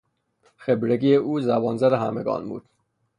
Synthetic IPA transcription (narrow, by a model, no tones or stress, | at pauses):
xebɾeɡijeuːzæbɒːnzæɾehæmeɡɒ̰ːnbṵːd̪̥